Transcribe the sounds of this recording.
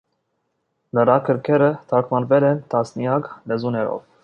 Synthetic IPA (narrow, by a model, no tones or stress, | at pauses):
nəɾɑkʰəɾkʰɛɾət̪ʰɑɾkʰmɑnvɛlɛnt̪ʰɑsnijɑklɛzunɛɾɔ̰v